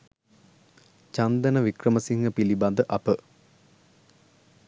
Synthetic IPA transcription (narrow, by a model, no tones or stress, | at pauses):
t͡ʃand̪ənəʋikrəməsiŋɡəpiliband̪əʔɐpə